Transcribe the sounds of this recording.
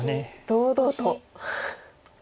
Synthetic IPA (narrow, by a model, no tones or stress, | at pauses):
ned̪̥oːd̪ot̪o